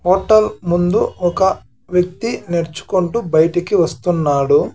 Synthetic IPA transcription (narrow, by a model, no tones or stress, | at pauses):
hoːʈɐlmund̪uɔkɐ | ʋjɐk̚t̪ineɾt͡ʃu̥kuɳʈubɐjɐʈikiʋɐst̪unːaːɽu